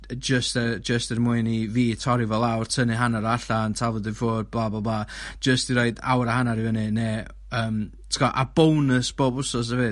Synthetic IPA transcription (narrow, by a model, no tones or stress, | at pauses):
d͡ʒəstɛd͡ʒəstɛrmʊɨniviːtʰɔɾɪvɔlˠawrtʰənɨɦanaɾaɬantʰavɔdɪfoːd̚blˠaːbɔlˠblˠḁːd͡ʒəstiɾoɨda̰wɾahanaɾivənɨneː | əːm | tʰəkɔʔab̥ownəsb̥oːbʊsɔs̬aveː